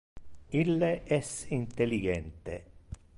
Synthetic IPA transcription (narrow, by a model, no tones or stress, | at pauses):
ilːeʔɛsint̪eliɡɛnt̪ḛ